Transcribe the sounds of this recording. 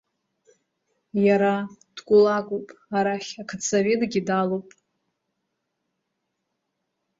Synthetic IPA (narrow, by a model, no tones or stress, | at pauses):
jaɾad̥ɡʷʼʊlakʼupʼaɾaχʲakʰat͡sʰavedɡʲidalowpʼ